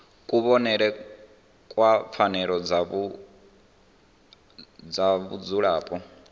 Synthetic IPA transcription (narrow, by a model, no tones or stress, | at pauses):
kʼuβɔnɛɺɛ | kʼwap̪fʰanɛɺɔd͡zaβu | d͡zaβṵd͡zuɺaːpʼɔ